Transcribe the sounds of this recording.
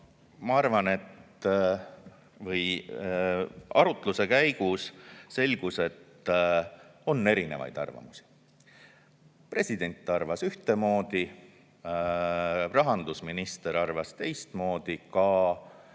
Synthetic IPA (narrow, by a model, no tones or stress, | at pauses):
mɑɑrvɑne̞t̪ | vɤj | ɑɾut̪ˑluse̞kæjɡ̥usse̞lʲɡ̥use̞t̪ː | o̞nːe̞ɾine̞̰vɑ̰jd̪̥ɑ̰rvɑ̰musi̥ | pre̞sʲid̪e̞nʲt̪ːˑɑrvɑsyht̪e̞mo̞ːd̪̥i | rɑɦɑnd̪̥usminist̪e̞ɾɑrvɑst̪e̞jst̪mo̞ːd̪̥ikɑ